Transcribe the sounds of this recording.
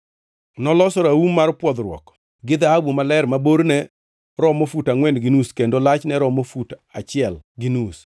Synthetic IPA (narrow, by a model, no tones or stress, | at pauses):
nɔlɔsɔɾaumːarpwɔd̪ɾwɔ̰k | ɡɪd̪ahabumalɛɾmaboɾnɛ | ɾɔmofutaŋwɛndɡɪnuskendolat͡ʃnɛɾɔmofutat͡ʃɪɛlɡɪnus